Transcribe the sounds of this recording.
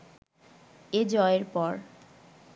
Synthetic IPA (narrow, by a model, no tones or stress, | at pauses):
ed͡ʑɔeɾpɔɾ